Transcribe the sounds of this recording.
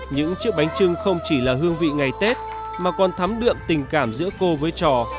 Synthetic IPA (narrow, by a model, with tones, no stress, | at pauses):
ɲɨ̰˧˥ŋt͡ɕɨ˦˥ək̚ɓa˨˦jŋ̟t͡ɕɨ˧ŋxə˧wŋ͡mt͡ɕi˧˩laː˨˩ɦɨ˧əŋvḭ˧˨ŋa˨˩jt̪e˦˥t̚ | maː˨˩kɔ˨˩nt̪ʰa˨˦mɗɨ̰˧˨əmt̪ï˨˩ŋ̟kaː˧˩mzɨ̰˧˥əko˧vəː˨˦jjt͡ɕɔ˨˩